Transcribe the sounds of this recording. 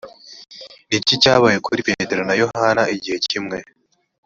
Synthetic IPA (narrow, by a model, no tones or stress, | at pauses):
nicicaːβajekʰuɾipete̞ɾo̞najo̞hanaiɟihe̞cimŋe̞